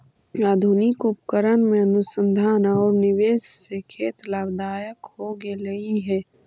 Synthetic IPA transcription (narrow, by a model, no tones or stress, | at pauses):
aːd̪ʱʊnɪkʊpkəɾənmẽənʊsə̃nd̪ʱaːnɔːɾnɪʋeːssekʰeːt̪laːbd̪aːjəkhoɡeləiɦɛː